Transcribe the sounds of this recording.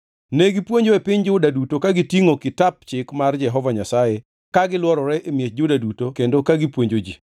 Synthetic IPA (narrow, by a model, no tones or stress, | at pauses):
neɡipwoɲd͡ʒoepɪɲd͡ʒʊdadutokaɡitiŋokɪtap̚t͡ʃɪkmard͡ʒɛɦɔvaɲasaje | kaɡɪlwɔɾɔɾɛʔemjet͡ʃ̚d͡ʒʊdadutokendokaɡipwoɲd͡ʒod͡ʒḭ